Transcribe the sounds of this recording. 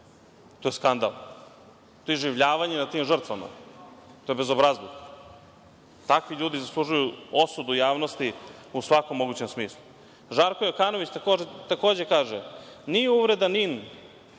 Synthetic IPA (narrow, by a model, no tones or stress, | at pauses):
t̪ojskand̪a̰lˠ | t̪oːjeʒiʋʎaːʋaɲenat̪iːmʒr̩t̪ʋama̰t̪ojebe̞zobɾazlˠoɡ | t̪akʋiʎuːd̪izaslˠuʒujuo̞sud̪ujaːʋnost̪iusʋakomːo̞ɡut͡ɕe̞msmiːslˠu | ʒaːɾkojokaːno̞ʋit͡ɕt̪akoːet̪ako̞ːd͡ʑe̞kaːʒenijeuʋɾe̞d̪anin